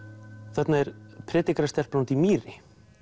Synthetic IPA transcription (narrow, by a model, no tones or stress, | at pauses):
θɛt̪naɛɾpʰɾɛːt̪ikɾast̪ɛl̥plawnt̪imiːrɪ